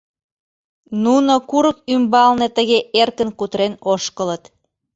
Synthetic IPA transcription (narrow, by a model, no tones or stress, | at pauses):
nunokuɾək̚ymbɑlnet̪əɣeʔerkənkut̪ɾenoʃkələt̪